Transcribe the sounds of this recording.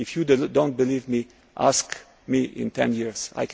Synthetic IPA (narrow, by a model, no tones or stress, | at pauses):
ɪfjuddõʊ̃nt̚bɨlivmi | ʔa̰sk | miʔɪ̰̃ntʰɛ̃njiɹz̥a̰jk